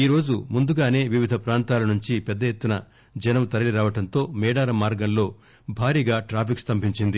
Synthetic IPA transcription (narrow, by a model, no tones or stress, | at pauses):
iːɾo̞ːd͡ʒumund̪uɡaːne̞ːʋiʋid̪ʱɐpɾaːnt̪aːlɐnuɲt͡ʃipɛd̪ːɐjet̪ːunɐ | d͡ʒɛnɐmt̪ɐɾɐliɾaːʋɐʈɐnt̪o̞ːmɛːɽaːɾɐmːaːɾɡɐnlo̞ː | bʱaːɾiːɡaːʈɾaːpikst̪ɐmbiɲt͡ʃind̪i